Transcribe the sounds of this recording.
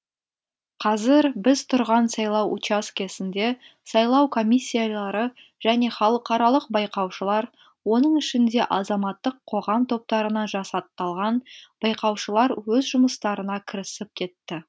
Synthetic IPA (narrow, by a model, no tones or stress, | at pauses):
qʰɑzɪɾbɪz̥t̪ʰʊɾʁɑnsɑjlˠɑwṵt͡ʃaskʲʰe̞sɪnd̪e̞ | sɑjlˠɑwkʰo̞mʲisʲːijalˠɑɾə | ʒ̥æne̞χɑlˠəqɑɾɑlˠəq̚bɑjqɑwʃəlˠɑɾ | wo̞nəɴɪʃɪnd̪e̞ʔɑzɑmɑt̪ːəqʰːo̞ʁɑmt̪ʰo̞p̚t̪ɑɾənɑʒɑsɑt̪ːɑlˠʁɑnb̥ɑjqɑwʃəlˠɑɾwɵzʒʊməst̪ɑɾənɑkʲʰɪɾɪsɪp̚kʲʰe̞t̪ːɪ